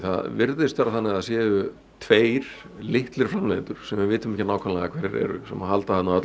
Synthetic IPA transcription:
θa̰ðvɪɾðɪst̪faɾaθanːɪɣaðsjɛːʏ | t̪ʰveːjɾ̥ | lɪht̪lɪɾ̥fɾamlejnt̪ʏɾ̥sɛmvɪvɪːt̪ʏmɛhcɪnaːwkʰɔmlɛɣakʰɛɾɪɾɛ̰ɾʏ̰sɛmahalt̪ahat̪naœt̪

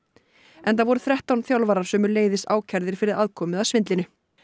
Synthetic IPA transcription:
ɛnθavɔɾʏθɾɛht̪awnθjawlvaːɾaɾ̥sœːmʏɾleːjðɪst̪aːwcʰɛɾðɪɾ̥fɪɾɪðaðkʰɔːmɪðaðsvɪnt̪lɪnʏ

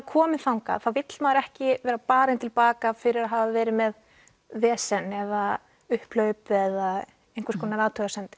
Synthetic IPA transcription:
kʰɔːmɪnθawŋka̰θawvɪt̪l̥maːðɾɛhcɪvɛːɾapaːɾɪnt̪ʰɪlpaːkafɪɾɪɾaɦaːvavɛːɾɪmɛð | vɛːsɛnɛða | ʏhplœɥpɛða | ejŋkvaɾskʰɔːnaɾaːt̪ʰœɣasɛnt̪ɪ̥

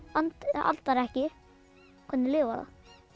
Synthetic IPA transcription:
ant̪a̰lt̪aɾɛhcɪ | kʰɔnːɪlɪːvaða̰

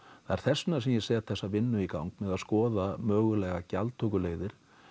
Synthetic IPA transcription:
θaɛɾ̥θɛsnasɛmjɛsɛːat̪θɛsːavɪnːʏikawŋk̚mɛðaðskɔːðamœːɣʏlɛːɣacalt̪ʰokʏleːɣðɪɾ̥

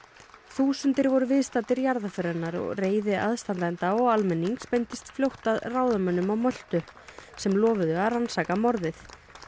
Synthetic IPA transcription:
θuːsʏnt̪ɪɾvɔɾʏvɪðst̪at̪ɪɾjaɾðafʏɾanːaɾɔ̰ɣreːjðɪaðst̪ant̪aɛnt̪aɔɣalmɛnːiŋkspent̪ɪst̪fljowht̪aðraːwðamœnːʏmawmœl̥t̪ʏsɛmlɔːvʏðʏaransaːkamɔɾðɪθ

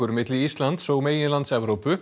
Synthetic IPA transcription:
ʏɾmɪt̪lɪist̪lant̪soːɣmeːjɪnlant̪sɛvɾowpʏ

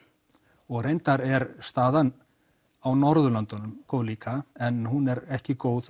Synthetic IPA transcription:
ɔɣɾejnt̪aɾɛɾst̪aːðan | awnɔɾðʏlant̪ʏnʏmkoːwðliːkʰaɛnɦunɛɾɛhcɪkoːwð

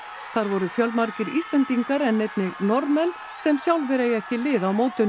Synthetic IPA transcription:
θaɾvɔɾʏfjœlmaɾcɪɾḭst̪lɛnt̪iŋkaɾɛnːejt̪nɪɣnɔɾmɛnː | sɛmsjawlvɪɾejɛhcɪlɪːðawmoːwt̪ʏn

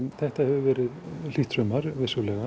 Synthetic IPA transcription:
nθɛht̪ahɛvʏvɛːɾɪðl̥iht̪ɾœmaɾvɪ̥sʏwlɛɣa

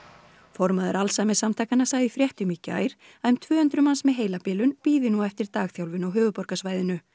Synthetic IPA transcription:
fɔɾmaðʏɾalsajmɛsamt̪ʰaːjkanasaːɣðɪfɾjɛht̪ʏmiːcɪa̰ːjɾ̥ | ajmt̪ʰvœːhʏnt̪ɾʏmansmɛðɦeːjlapɪːlʏnpiːðɪnuɛft̪ɪɾ̥t̪aːɣθjawlvɪnawɦœːvʏpɔɾkasvaːjðɪnʏ

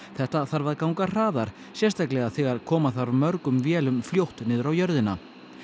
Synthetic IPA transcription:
θɛht̪aθaɾvaðkawŋkar̥aːðaɾ̥ | sjɛst̪ajklɛɣaθɛːɣaɾ̥kʰɔːmaθaɾmœɾkʏmvjɛːlʏmfljowht̪nɪːðʏɾawjœɾðɪna

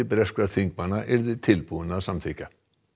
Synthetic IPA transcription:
ɪpɾɛskaɾθiŋk̚manaʔɛɾðɪt̪ʰɪlpuðʏnasamθica

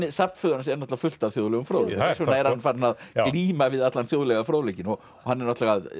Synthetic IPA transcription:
ɪsapn̥fʏɣanasɛɾnɔt̪vafʏl̥t̪avθjoːwðlɛɣʏmfɾoːwlɛs̬ɛaɛɾhanfaɾnːaðkliːmavɪðat̪lanθjowðlɛɣafɾoːwlɛcɪnɔ | hanːɛɾnɔht̪laɣað

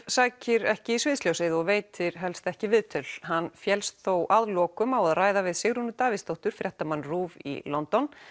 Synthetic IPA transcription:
saːcɪɾɛhcɪisvɪːðsljowsɪðɪɔɣveːjt̪ʰɪɾ̥ɦɛlst̪ɛhcɪvɪðt̪ʰʏlɦanːfjɛlst̪θowʔaðlɔːkʏmawaðraːjðavɪðsɪɣɾunʏt̪aːvɪst̪owht̪ʏɾ̥fɾjɛht̪amanːruːvḭlɔnt̪ɔn

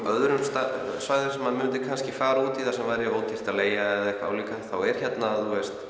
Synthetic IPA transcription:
œðɾʏmst̪a | svaɣðɪsɛmaðmʏːnt̪ɪkʰanscɪfaːɾauːt̪iθasɛmvajɾoːwt̪ʰir̥t̪aleːjaɛðɛhkvaa̰ːwliːkaθawɛɾ̥çɛt̪naðuest̪

